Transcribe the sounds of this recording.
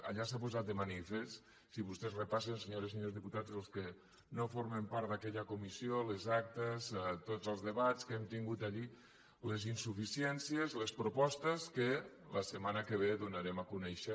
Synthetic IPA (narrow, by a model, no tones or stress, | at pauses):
a̰ʎasapuzat̪̚d̪əmanifes | siβust̪ɛzrəpasenseɲoɾes̬eɲozðiput̪ad͡zəlˠskə | nofoɾmempaɾt̪d̪akɛʎəkumisiolezak̚t̪əzt̪ozəlˠzðəβat͡skemt̪iŋɡut̪aʎi | lezinsufisiɛnsiezləspɾupɔst̪əskə | ləsəmanəkəβ̞eðunaɾemakunɛʃə